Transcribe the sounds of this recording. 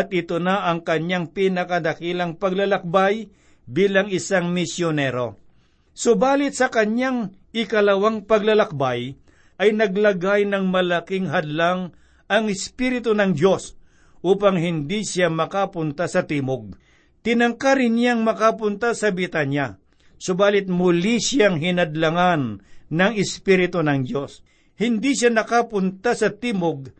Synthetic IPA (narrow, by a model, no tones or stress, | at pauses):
ɐt̪̚ɪt̪onaʔɐŋkɐɲaŋpiːnɐkɐd̪ɐkilɐŋpɐɡlɐlɐk̚baj | biːlɐŋɪsaŋmɪsjonɛɾo̞ | sʊbaːlɪt̪̚sɐkɐɲjaŋ | ɪkɐlɐwaŋpɐɡlɐlɐk̚baj | ʔɐjnɐɡlɐɡajnɐŋmɐlakɪŋɦɐd̪laŋ | ɐŋɪspiɾɪt̪onɐŋd̪jo̞s | ʔuːpɐŋɦɪnd̪isamɐkapʊnt̪asɐt̪iːmoɡ̚ | t̪ɪnɐŋkaɾɪnjaŋmɐkapʊnt̪asɐbɪt̪anja | sobaːlɪt̪̚mʊlisjaŋɦɪnɐd̪lɐŋanːɐŋɪspiɾɪt̪onɐŋd̪jo̞s | hɪnd̪iʃanɐkapʊnt̪asɐt̪iːmoɡ̚